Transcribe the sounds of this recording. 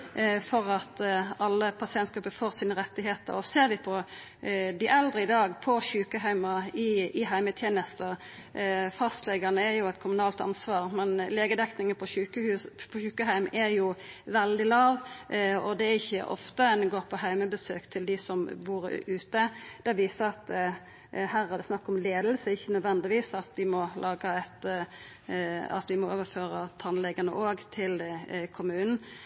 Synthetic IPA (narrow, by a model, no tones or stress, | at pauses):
fɔɾɑt̪ɑlːəpʰɑsɪɛnt̪ɡɾʉpːəfoːʁsiːnəʁɛt̪ːɪɦeːt̪ə̰ɾɔseːɾʋɪpʰɔ | d̪ɪʔɛld̪ʁəɪd̪ɑːɡpʰɔçʉːkəɦæɪmɑɪɪɦæɪmət̪ʰjeːnəst̪ə | fɑst̪lɛɡɑnəæɾjʊɛt̪̚kʰʊmʉnɑːlt̪ɑ̰nsʋɑːʁmɛnleːɡəd̪ɛktnɪŋəpʰɔʉːkəhʉpʰɔçʉːkəɦæɪmæɾjʊʋɛld̪ɪlɑːʋɔd̪ɛæɾɪçːə̰ʔɔ̰ft̪əɛnɡoːɾpʰɔhæɪməbəsø̰ːkt̪ʰɪld̪ɪsɔmbuːɾʉːt̪əd̪̥ɛʋiːsəɾɑt̪ | hæːɾæd̪ɛsnɑkːɔmleːd̪lsəɪçːənœd̪ʋɛnd̪ɪʋiːsɑt̪ʋɪmɔlʔɑːɡɑɛt̪ | ɑ̰t̪ʋɪmɔoːʋəɾføːʁət̪ʰɑnlɛɡɑnə̰ʔoːɡt̪ʰɪlkʰʊmʉːnn̩